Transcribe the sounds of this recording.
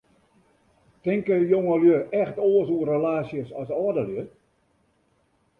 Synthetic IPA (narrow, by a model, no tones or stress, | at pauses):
tɪŋkəjoŋəljøɛxtoːəsuərəlaːsjəsɔsɔədəljø